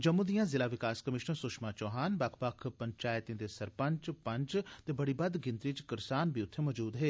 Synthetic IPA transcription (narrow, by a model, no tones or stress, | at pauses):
d͡ʒəmːũd̪ijãːzɪlaːʋɪkaːskəmɪʃnəɾsʊʃmaːt͡ʃɔːɦaːnbəkʰpəkʰpəɲt͡ʃaːɪt̪ẽːd̪eːsəɾpəɲt͡ʃpə̃ɲt͡ʃtt̪eːbəɽibəd̪ɡɪ̃nt̪ɾiːt͡ʃkɪɾsaːnbiːʊt̪ʰːemɔd͡ʒuːd̪ɦeː